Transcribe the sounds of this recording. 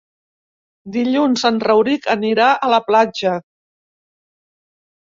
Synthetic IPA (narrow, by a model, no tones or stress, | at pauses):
d̪iʎunsanrəwɾikəniɾaʔələplad͡ʒə